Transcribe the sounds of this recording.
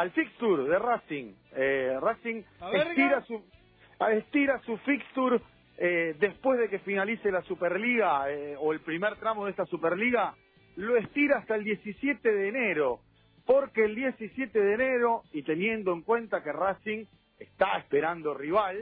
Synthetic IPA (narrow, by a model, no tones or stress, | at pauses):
alfikst̪uɾðerasiŋerasiŋest̪iɾasu | est̪iɾasufikst̪uɾ | ed̪e̞spwe̞zðe̞kefinaliselasupeɾliɣaeoe̞lpɾimeɾt̪ɾamoðest̪asupeɾliɣa | loest̪iɾaast̪aeld̪je̞sisje̞t̪eðeːne̞ɾo̞ | poɾkeːld̪je̞sisje̞t̪eðeːne̞ɾo̞it̪e̞nje̞nd̪oeŋkwe̞nt̪akerasiŋ | est̪aespeɾand̪o̞riβal